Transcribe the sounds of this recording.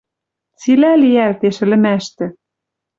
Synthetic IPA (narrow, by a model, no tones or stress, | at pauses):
t͡silæliælt̪eʃɘ̆lɘ̆mæʃt̪ɘ̆